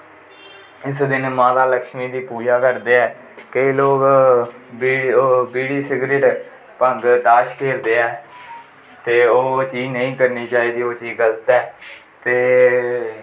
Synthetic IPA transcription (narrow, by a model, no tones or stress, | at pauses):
ɪsd̪ɪnmãːt̪aːləkʃmiːd̪iːpuːd͡ʒaːkəɾd̪eːɛː | kəiːloːkː | biːɽiːsɪɡɾeːʈ | pəŋɡd̪aːʃkeːɾd̪eːɛː | t̪eːoːt͡ʃiːnəĩːkəɾniːt͡ʃaːiːd̪iːoːt͡ʃiːɡəlt̪ɛː | t̪eː